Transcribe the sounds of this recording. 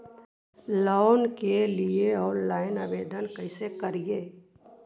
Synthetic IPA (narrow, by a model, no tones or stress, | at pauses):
loːnkelieɔːɾnlaːɪnaːʋeːd̪ənkəɪsekəɾijeː